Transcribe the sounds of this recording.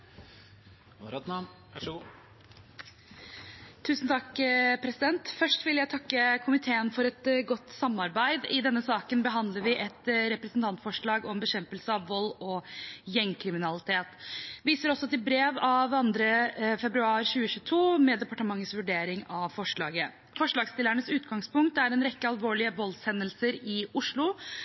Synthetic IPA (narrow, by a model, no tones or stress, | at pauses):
t̪ʰːʉːsnt̪ʰɑkːpʰɾɛsɪd̪ɛnt̪fœʂʈʋɪljæɪt̪ʰɑkːəkʰʊmɪt̪ʰeːənfɔɾɛt̪ɡɔt̪ːsɑmːɑɾbæɪd̪ɪd̪ɛnːəsɑːkənbəɦɑnd̪ləɾʋɪʔɛt̪ɾɛpɾɛsnt̪ʰɑnt̪fɔʂɭɑːɡɔmbəɕɛmpəlsəɑʋʋɔlːɔjɛŋkʰɾɪmɪnɑlɪt̪ʰeːt̪ʋiːsəɾɔsɔt̪ɪlbɾeːʋɑʋɑnd̪ɾəfɛbɾʉɑːɾɕʉːəçʉːət̪ʰuːmɛd̪ɛpɑʈəmɑŋːəsʋʉɖeːɾɪŋɑʋfɔʂɭɑːɡə | fɔʂɭɑːɡst̪ɪlːæɳəsʉːt̪ɡɑŋspʰʊŋk̚t̪æɾɛnɾɛkːəɑlʋoːɭɪəʋɔlsɛnːəlsəɾɪʊʂɭʊ